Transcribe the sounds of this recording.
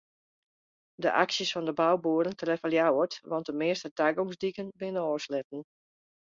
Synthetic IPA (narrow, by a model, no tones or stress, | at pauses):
dəʔa̰ksjəsfɔndəbawbuəɾəntrɛfəljawətʋɔnt̚dəmɪəstətaɡoŋsdikənbɪnəɔːslɪt̚n̩